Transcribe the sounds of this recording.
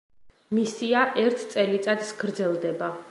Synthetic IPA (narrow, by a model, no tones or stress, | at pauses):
misiaʔɛɾt̪ʰt̪sʼɛlit̪sʼat̪sɡɾd̪zɛlˠd̪ɛba